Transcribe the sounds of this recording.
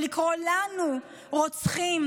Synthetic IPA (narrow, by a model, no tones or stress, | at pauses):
likʁolanu | ʁot͡sχim